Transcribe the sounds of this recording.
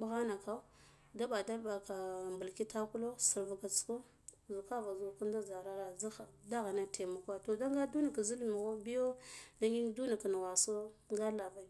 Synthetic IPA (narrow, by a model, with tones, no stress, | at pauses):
bu˨ɣa˦na˨ka˦u˦ | da˦ɓa˨da˦lba˨ka˨mbu˨lki˦ta˦ku˦lo˦si˨ɾvu˨ɡa˨t͡su̥˦ko˦ | zu˨ka˦va˨zu˨ku˦nda˦za˨ɾa˦ɾa˨za˦xa˨da˦ɣa˨na˦tʰe˨ma˨kʷa˦to˨da˦ŋɡa˦du˦na˨ka˨zi˦lmi˨ɣo˦bi˦jo˦da˦ŋɡi˦n˦du˦na˨ka˨n˨wa˨so˦ŋɡa˦la˨va˨i˨